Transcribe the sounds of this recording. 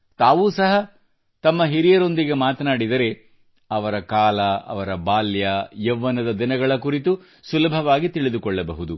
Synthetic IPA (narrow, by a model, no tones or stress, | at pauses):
t̪aːʋuːsɐɦɐ | t̪ɐmːɐɦiɾijɐɾo̞nd̪iɡe̞maːt̪ɐnaːɽid̪ɐɾe̞ | ɐʋɐɾɐkaːlɐɐ̰ʋɐɾɐbaːljɐjɛʋːɐnɐd̪ɐd̪inɐɡɐɭɐkuɾit̪u | sulɐbʱɐʋaːɡit̪iɭid̪ukɔɭːɐbɐɦud̪u